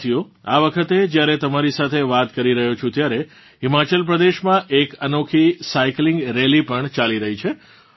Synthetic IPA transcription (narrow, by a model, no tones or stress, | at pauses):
t̪ʰijo | a̰ʋəkʰət̪ed͡ʒjaɾet̪əmaɾisat̪ʰeʋat̪kəɾiɾəɦot͡ʃʰũt̪jaɾe | imat͡ʃəlp̬ɾəd̪eʃmãʔekənokʰisaiklɪŋɡɾelipəɳt͡ʃaliɾəɦit͡ʃʰe